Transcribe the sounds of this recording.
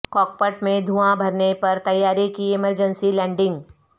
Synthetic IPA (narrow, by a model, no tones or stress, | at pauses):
kɔːk̚pəʈmẽd̪ʱuãbʱɐɾnepɐɾt̪ɐjːaːɾikiɪməɾd͡ʒənsilɛ̃ːɳɖɪ̃ŋɡ